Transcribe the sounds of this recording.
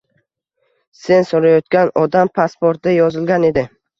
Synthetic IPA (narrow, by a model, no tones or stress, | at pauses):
se̞nsoɾajɒt̪̚kʲanɒd̪ampʰaspoɾt̪̚d̪ajɒzɪlɡʲane̞d̪ɪ